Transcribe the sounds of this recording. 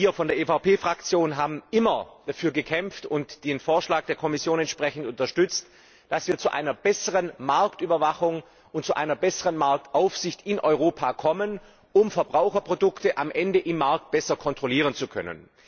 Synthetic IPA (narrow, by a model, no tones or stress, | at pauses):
viːɐfɔndeːɐeːfaʊpeːfʁ̥ak̚t͡sjoːnɦaːbm̩ʔɪmɐd̥afyːɐɡəkʰɛmftʊntd̥eːnfoːɐʃlaːk̚d̥eːɐkʰɔmɪsjoːnɛntʃpʁ̥ɛçn̩tʊntɐʃtʏt͡st | d̥asv̥iːɐt͡suʔa̰ɪnɐbɛsəʁənmaɐktyːbɐvaχʊŋ | ʔʊnt̚t͡suʔaɪnɐbɛsəʁənmaɐk̚tʔaʊfz̥ɪçtɪnʔɔʏʁoːpʰakʰɔmən | ʔʊmfɛɐbʁaʊxɐpʁ̥odʊktəʔamʔɛndəʔɪmːaɐk̚t̚b̥ɛsɐkʰɔntʁ̥oliːʁ̞ənt͡sukʰœ̰nə̰n